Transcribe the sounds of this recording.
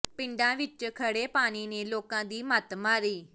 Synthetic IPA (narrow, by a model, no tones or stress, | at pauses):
pɪ̃ɳɖãːʋɪt͡ʃkʰəɽeːpaːñiːneːloːkãːd̪iːmət̪maːɾiː